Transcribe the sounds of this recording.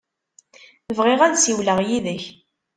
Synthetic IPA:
θəvʁɪʁænsiwləʁjiðəç

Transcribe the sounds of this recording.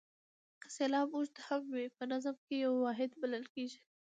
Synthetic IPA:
selɑbuʒd̪ahammepənazəmkejawːɑɦɪd̪baləlkeʒi

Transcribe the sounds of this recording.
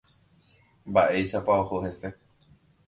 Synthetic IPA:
baʔejʃapaohoɦese

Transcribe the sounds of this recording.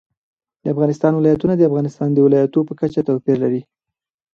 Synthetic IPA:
d̪̥əafɣɑnɪst̪ɑnwɪlɑjat̪unad̪əafɣɑnɪst̪ɑnd̪əwɪlɑjat̪opəkat͡ʃat̪awpiɾlaɾi

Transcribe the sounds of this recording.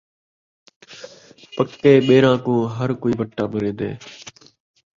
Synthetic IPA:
pəkːeːɓeːɾãːkõːɦəɾkoːiːbəʈːaːbəɾẽːd̪ḛː

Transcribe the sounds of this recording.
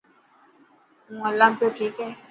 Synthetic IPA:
ŋãlampjokikɛ

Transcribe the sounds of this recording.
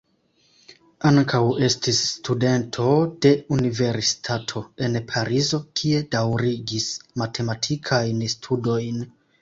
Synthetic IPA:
aŋkʰawe̞stisːtude̞ntʰo̞de̞unive̞ɾsi̥tʰatʰo̞e̞npʰaɾizo̞kʰie̞dawɾiɡismatʰe̞matʰikʰajnstʰudo̞jn

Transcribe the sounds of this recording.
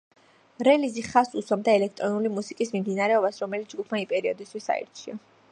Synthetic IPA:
ɾɛliziχasuswabd̪aɛlɛk̚ʰt̪ʼɾɔnulimusikʼismimd̪inaɾɛɔbasɾɔmɛlit̪sd͡ʒɡupʰmaipʼɛɾiɔd̪ist̪ʰwisa̰ḭɾt̪t͡ʃʰia

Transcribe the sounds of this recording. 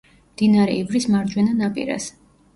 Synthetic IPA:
md̪inaɾɛ̰ivɾismaɾd͡ʒwɛnanapʼḭɾa̰s

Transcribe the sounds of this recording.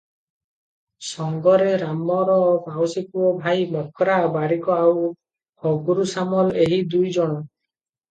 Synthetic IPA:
sɔŋɡɔɾeɾamɔɾɔbawsikuɔbʱajmɔkʰɔɾabaɾikɔaw | hɔɡuɾusamɔleɦid̪ujd͡ʒɔɽ̃ɔ

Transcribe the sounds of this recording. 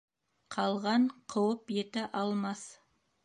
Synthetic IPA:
qʰɑlˠʁɑɴqʰəwəpje̞t̪ɪʔɑlˠmɑs

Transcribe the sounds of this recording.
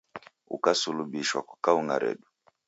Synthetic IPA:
ṵkasuluɓiʃwakwakauŋa̰ɾɛ̰ɗu

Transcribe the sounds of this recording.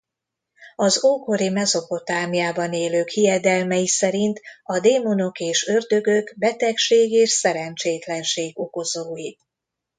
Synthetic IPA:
ɒzoːko̞ɾimɛzo̞po̞t̪aːmjaːbɒneːløːkhijɛd̪ɛlmɛjisɛɾint̪ɒd̪eːmono̞keːʃø̞rd̪ø̞ɡøɡbɛt̪ɛkʃeːɡeːʃsɛɾɛnt͡ʃeːt̪lɛnʃeːɡo̞ko̞zoːji

